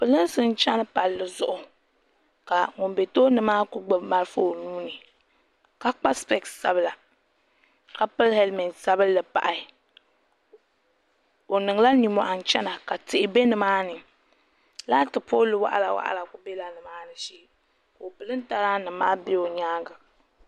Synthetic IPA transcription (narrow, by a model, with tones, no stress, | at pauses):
pɨ˨lɨ˦nsɨ˦n˦t͡ʃa˦nɨ˦pa˨lːɨ˨zʊ˦ʔʊ˨ | ka˨ŋʊ˨mbe˨toː˦nɨ˨maː˦kʊ˦ɡ͡bɨ˦ma˦ɾɨ˦fʊ˦o˨nuː˦nɨ˨ | ka˦k͡pa˦spɛ˦ksa̰˦bɨ˦la˨ | ka˨pɨ˦lhɛ˦lmɛ˨nsa˦bɨ˦lːɨ˨pa̰˨ʔa˨ | o˨nɨ˨ŋ˨la˦ni˨mɔ˨ʔa˨n˨t͡ʃɛ˦na˨ka˨tɪ˨ʔɪ˨be˦nɨ˨maː˦nɨ˨ | la˦tɨ˨poː˦lɨ˨wa̰˦ʔa̰˨la˨wa̰˦ʔa̰˦la˨kʊ˨be˦la˨nɨ˨maː˦nɨ˨ʃeː˦ | ko˨pɨ˨lɨ˦n˦ta˦ɾaː˦nɨ˨maː˦be˦o˨ɲaː˦ɡa˨